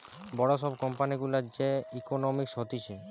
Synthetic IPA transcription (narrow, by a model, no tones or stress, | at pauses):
bɔɽaʃɔbkɔmpaniɡulad͡ʑeikonomikʃot̪iʃʰi